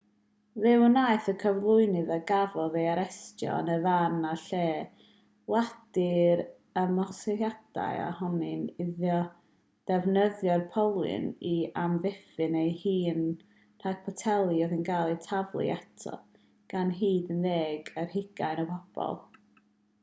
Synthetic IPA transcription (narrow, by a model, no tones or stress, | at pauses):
ðɪwənaɨθəkʰəvlˠʊɨnɨðaɡavɔðejaɾɛstjɔ̰nəvanaɬeː | wad̥ɪɾ | əmɔsɪjad̥a̰ja̰hɔnɨnɪðjɔ | d̥ɛvnəðjɔrpʰɔlˠɨ̰niamvɪfɨnejhiːn | r̥aɡ̚pʰɔtʰɛlˠiɔðinɡalˠitʰavlˠɨ̰ɛtʰɔ̰ | ɡ̥anɦiːdənðeːɡərɦɪɡ̥aɨnəpʰɔb̥ɔ̰lˠ